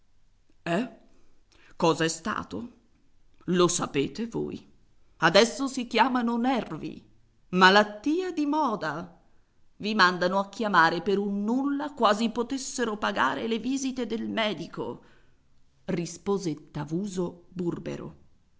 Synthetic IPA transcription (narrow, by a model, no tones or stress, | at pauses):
ɛ | kɔːzaɛst̪a̰ːt̪o | losapeːt̪evo̰ːj | ad̪ɛsːosikjaːmanonɛrvḭ | malat̪ːiːed̪imɔːd̪a | vimand̪anoak̟ːjamaːɾepeɾunːulːakwaːzipot̪esːeɾopaɡa̰ːɾeleviːzit̪ed̪elmɛːd̪iko̰ | rispoːzet̪ːavuːzoburbḛɾo̰